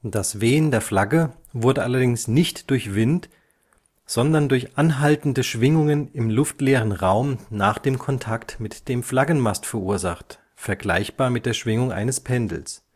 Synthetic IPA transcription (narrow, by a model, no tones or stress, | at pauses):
d̥asveːəndeːɐflaɡə | vʊɐdəʔalɐdɪŋsnɪçtd̥ʊɐçv̥ɪnt | z̥ɔndɐndʊɐçʔanɦaltn̩dəʃv̥ɪŋʊŋənɪmlʊftleːʁənʁaʊmnaːχd̥eːmkʰɔntʰaktmɪtd̥eːmflaɡən̩mastfɛɐʔuːɐzaχt | fɛɐɡla̰ɪçb̥aːɐmɪt̚d̥eːɐʃv̥ɪŋʊŋʔa̰ɪnəspʰɛndl̩s